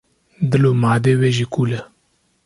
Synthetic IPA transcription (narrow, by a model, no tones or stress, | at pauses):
d̪əlomaːd̪eweʒikuːlə